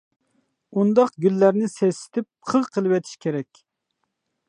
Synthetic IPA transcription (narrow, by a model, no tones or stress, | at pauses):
und̪ɑqɡʲylːæɾnɪsɛsɪ̥t̪ʰɪp̚qʰəʁqʰəlˠɨwɛt̪ʰi̥ʃkʲʰeɾɛkʲ